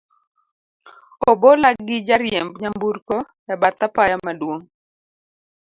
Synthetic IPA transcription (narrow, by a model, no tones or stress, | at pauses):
obolaɡɪd͡ʒaɾjɛmbɲambuɾko | jabat̪apajamadwoŋ